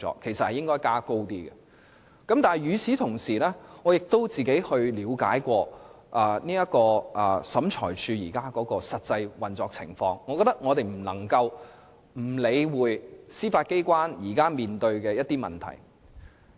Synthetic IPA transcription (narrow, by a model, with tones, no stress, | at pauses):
ɔ̰ː˨kʰːe˨˩sɐ˨t̚hɐ˨jɪ˥ŋkɔː˥jkaː˥ko˥wt̪iː˥ɡɛ˨ | kɐ˨˥mt̪aː˨˩jɥyː˨˧t͡sʰiː˨˥t̪ʰʊ˨˩ŋsiː˨˩lɛː˥ŋɔː˨˧jɪ˨k̚t̪o˥wt͡siː˨ke˨˥jhɵ˧ɥliː˨˧wkaː˨˥jkʷɔː˧ | ʔaː˨niː˥jɐ˥t̚kɔː˧ʔɐː˨˩sɐ˨˥mt͡ʃʰɔ̰ː˨˩jt͡ʃʰyː˨˧jḭː˨˩kaː˥kɔː˨˧˥kɔː˧sɐ˨t̚t͡sɐ˧jwɐ˨nt͡sɔː˧k̚t͡sʰɪ̰˨˩ŋfɔː˧ŋːɔː˨˧kɔ˧t̪ɐ˥k̚ŋɔː˨˧t̪e˨jm̩˨˩lɐ˨˩ŋkɐ˧w | m̩˨˩le˨˧jwuː˨˧jsiː˥faː˧t̚ke˥jkʷaː˥njiː˨˩kaː˥miː˨nt̪ɵ˧ɥkɛː˧jɐ˥t̚t̪iː˥mɐ̰˨nt̪ʰɐ̰˨˩j